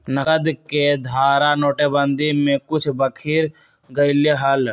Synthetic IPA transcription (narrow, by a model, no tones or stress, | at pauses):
nəəd̪ked̪ʱaːɾanoːʈebə̃nd̪imẽkʊt͡ʃʰbəkʰiːɾ | ɡəɪleɦəl